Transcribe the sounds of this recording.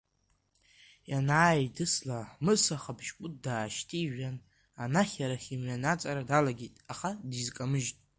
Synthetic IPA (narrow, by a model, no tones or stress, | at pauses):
janaːjdɨslamɨsaχabʒkʷʼʊtʼdaːʃtʰʼiʒᶣan | anaχʲaɾaχʲimɥanat͡sʼaɾadalaɡʲetʼaχadizkʼamɨʒtʼ